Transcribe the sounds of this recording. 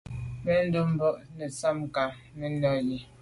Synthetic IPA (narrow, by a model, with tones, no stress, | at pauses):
mɛ˦n̩˦do˦m̩˦bɔ˦˨ʔnɛ˨sa˦m˨ka˨ | mə˦nɔ˦˨ji˨